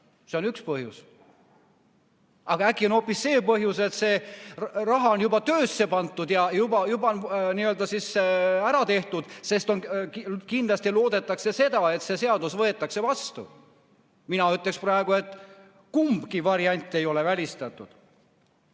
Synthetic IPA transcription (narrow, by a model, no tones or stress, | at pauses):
se̞onykspɤɦjṵs | ʔɑɡ̥ɑækːˑiono̞pːˑisse̞ːpɤɦjuse̞t̪se̞ | rɑɦɑonjubɑt̪øːsːe̞pɑnt̪ːˑud̪jɑjubɑjubɑnniːøld̪ɑsisæɾɑt̪e̞ht̪ud̪̥se̞st̪o̞nkkind̪lɑst̪ilo̞ːd̪e̞t̪ːˑɑkse̞se̞d̪̥ɑe̞t̪se̞se̞ɑd̪usvɤet̪ːˑɑkse̞vɑst̪ṵ | minɑyt̪ːˑleksprɑeɡ̥ue̞t̪ːˑ | kumbkivɑɾiɑnʲt̪ːˑe̞jo̞le̞vælʲist̪ɑt̪ːˑud̪̥